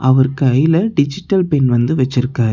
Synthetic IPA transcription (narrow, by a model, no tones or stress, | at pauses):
ʔɐʋɐɾkɯɐjɪlɐɖɪd͡ʒɪʈːɐlpɛnʋɐnd̪ɯʋɛt͡ʃːɪɾɯkːaːɾ